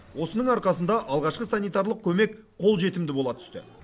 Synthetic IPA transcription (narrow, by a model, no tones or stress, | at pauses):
wo̞sənəɴɑɾqɑsənd̪ɑʔɑlˠʁɑʃqəsɑnijt̪ɑɾlˠəq̚kʲʰɵme̞k | qʰo̞lˠʒe̞t̪ɪmd̪ɪbo̞lˠɑt̪ʰʏ̥st̪ɪ̰